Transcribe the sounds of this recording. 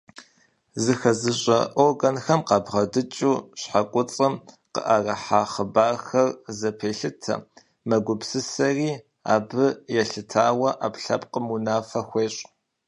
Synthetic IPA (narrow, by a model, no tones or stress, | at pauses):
zɨxɐzɨɕʼɐ̰ʔoːɡɐnxɐmqɑːbʁɐdɨt͡ʃʼuːɕħakʷʼʊt͡sʼɐm | qə̰ʔɐrɐħaːχəbaːxɐrzɐpʰeːɬɨtʰɐ̰ | mɐɡʷʊpsɨsɐriː | a̰ːbɨjɛɬɨtʰaːwɐʔapɬɐ̰pqəmunaːfɐxʷeːɕʼ